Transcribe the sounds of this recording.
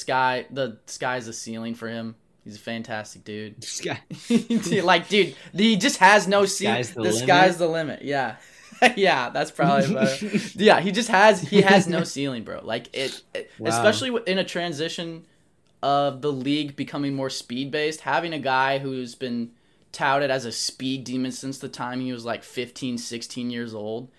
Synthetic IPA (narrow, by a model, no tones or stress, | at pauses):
skaɪðəskaɪɨzɨsilˠɪ̃ŋfə˞ɪ̃m | hizɨfæ̃ntʰæstɨ̥k̚d̥ʉd̥̚ | dlaɪk̚d̥ʉdðɨd͡ʒʌst̚hɨznoʊsiðɨkaɪɨzðəlɪ̃mɨ̰ʔ̚jæ | jæðætspʰɹ̥ɑbəbliʌjæɦid͡ʒʌst̚həzhiɨznoʊsilˠɪ̃ŋbɹo̰ʊʔla̰ɪkɪɾɨspɛʃl̩ˠiɨ̃ñɨtʰɹ̥æ̃nzɪʃɨ̃n | ʔʌvðəliɡ̚bɨkʰʌmɪ̃ŋmɔɹspid̚beɪst̚hævɪ̃ŋɨɡaɪɦuzbɨ̃n | tʰaʊɾɨɾɨzɨspidĩmɨ̃nsɪ̃nsðɨtʰãɪ̃mhiwʌzlaɪkfɪftʰĩnsɪkstʰĩnjɪɹzoʊlˠd̥̚